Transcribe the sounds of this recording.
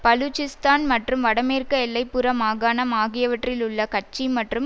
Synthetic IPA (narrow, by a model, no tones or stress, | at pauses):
pɐlut͡ʃɪst̪aːnmɐʈrɯmʋɐɽɐmeːrkɐɛlːɐɪpːɯɾɐmaːɣaːnɐmaːɣɪjɐʋɐʈrɪlʊɭːɐkɐʈ̚t͡ʃːimɐʈrɯm